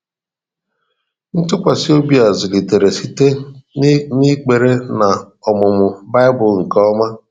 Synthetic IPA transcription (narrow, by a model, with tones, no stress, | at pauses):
n̩˦tʊ˦kʷa˨si˦o˦bi˨a˨zʊ˨li˨te˨ɾe˨si˦te˦ | ni˦k͡pe˨ɾe˦na˨ | ɔ˨mʊ˨mʊ˨ba˦ɪ˦bʊ˨lŋ̩˨kɔ˦ma˦